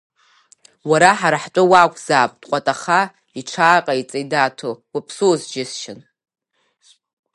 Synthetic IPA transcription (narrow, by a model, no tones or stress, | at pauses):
waɾaħaɾaħt͡ʃʷʼɨwakʷʰʼz̥aːpʼd̥qʷʼatʼaχa | iʈ͡ʂʰaːqʼait͡sʼejdaːtʰowapʰsuzd͡ʒɪsʃɪn